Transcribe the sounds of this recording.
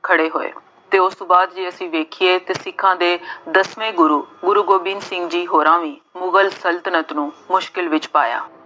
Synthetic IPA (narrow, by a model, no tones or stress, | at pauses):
kʰəɽeːɦoːḛː | t̪eːʊsbaːd̪d͡ʒiːəsĩːʋeːkʰɪeːt̪eːsɪkʰːãːd̪eːd̪əsʋẽːɡʊɾuːɡʊɾuːɡoːbɪnsɪ̃ŋɡd͡ʒiːɦoːɾãːʋĩːmʊɡəlsəlt̪ənət̪nũːmʊʃkɪlʋɪt͡ʃpa̰ːja̰ː